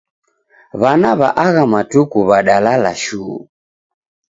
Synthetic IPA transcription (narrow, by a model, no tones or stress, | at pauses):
βanaβaʔaɣamatukuβaɗalalaʃṵː